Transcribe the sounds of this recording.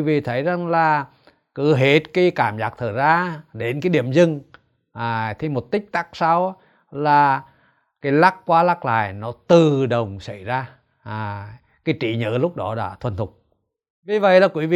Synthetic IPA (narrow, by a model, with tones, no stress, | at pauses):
i˨˦vḭ˧˨t̪ʰə˨˦jza˨˩ŋlaː˨˩ | kɨ̰˧˦ɦe˧˩t̚ki˨˧˦kaː˧˩mzaː˨˧˩k̚t̪ʰə˧˩zaː˧ɗe˨˦nkaː˨˦ɗi˧˩əmzɨ˧ŋ | ʔa˨˩t̪ʰi˨˩mo˨˩t̚t̪ï˦˥k̟̚t̪a˦˥k̚sa˨˧˦w | laː˨˩ | kaː˨˦jla˦˥kkwaː˨˦laː˦˥k̚la̰ː˧˨jnɔ˨˦t̪ɨ˨˩ɗə˨˩wŋ͡msa˧˩jzaː˧˨˩ | kaː˨˦jt͡ɕḭ˧˨˦ɲə̰ː˧˦lʊ˦˥k͡p̚ɗɔ˨˦ɗa̰ː˧˥t̪ʰwə˨˩nt̪ʰʊ˨˩k͡p̚ | vi˨˩və̰˧˨jlaː˨˩kwi˨˦vḭ˧˨